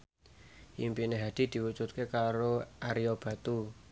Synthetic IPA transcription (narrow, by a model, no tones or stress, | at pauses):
impineɦad̪̥i̤d̪̥i̤wud͡ʒut̪̚kekaɾoʔaɾiob̥ä̤t̪u